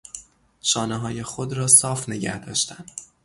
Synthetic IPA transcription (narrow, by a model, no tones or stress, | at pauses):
ʃɒːneɦɒːje̞xod̪ɾɒːsɒːfneɟæhd̪ɒ̰ːʃt̪ænd̪̥